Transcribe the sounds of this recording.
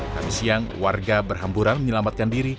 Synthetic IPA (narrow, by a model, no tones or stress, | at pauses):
ka̰misiaŋwarɡabərɦampuɾanməɲəlamat̪̚kandiɾi